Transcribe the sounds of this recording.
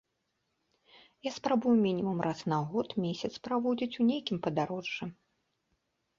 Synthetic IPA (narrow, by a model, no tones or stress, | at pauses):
jaspɾabujumʲinʲimumrʔasnaɣɔt̪mʲesʲɐt̪spɾavɔd͡zʲit͡sʲunʲejkʲimpɐd̪aɾɔʐːɨ